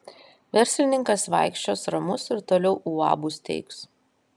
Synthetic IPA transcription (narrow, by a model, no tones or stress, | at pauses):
ʋʲɛɾʲsʲlʲɪnʲɪŋkɐsʋɐ̰ɪkʃʲt͡ʃʲoːsɾɐmʊsɪɾt̪oːlʲɛʊʔuɑ̰ːbust̪ʲɛ̰ɪks